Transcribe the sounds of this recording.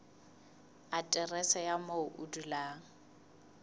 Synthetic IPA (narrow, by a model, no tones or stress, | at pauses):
atʼɛrɛsajamoʊʔudulaːŋ̩